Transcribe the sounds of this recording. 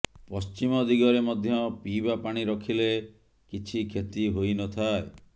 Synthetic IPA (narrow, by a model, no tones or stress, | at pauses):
pɔst͡ʃimɔd̪iɡɔɾemɔd̪ʱjɔpibapaɽ̃iɾɔkʰile | kit͡ʃʰikʰet̪iɦojnɔt̪ʰae